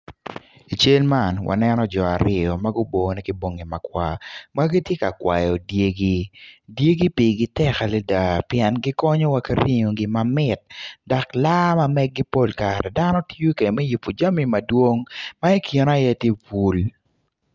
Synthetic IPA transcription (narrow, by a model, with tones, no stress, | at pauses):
i˨t͡ʃe˦lma˨nwa̰˨nɛnɔ˦d͡ʒɔ˨a˨ɾɪ˦ɔ˨ma˦ɡʊ˦bo˨nɛ˦ki˦bo˨ŋi˨ma˨kwa˦ma˦ɡi˦tje˦ka˨kwa̰˨jɔ˨dje˦ɡi˦dje˦ɡi˦pi˨ɡi˦tɛ˦ka˨lɛ˦da˨pjɛ˨nɡɪ˦kɔ˦ɲɔ˦wa˦ki˦ɾi˦ŋo˨ɡɪ˦mamɪ˨t̚da˨kla˦ma˦mɛ˦ɡ̚ɡi˦po˦lkaɾɛ˨da˦nɔ˦tu˦ke˨mɛ˦ju˨pːu˨d͡ʒa˦mi˨mɐ˨dwo˦ŋma˦ɛ˦kji˨na˦jɛ˦tje˦pu˨l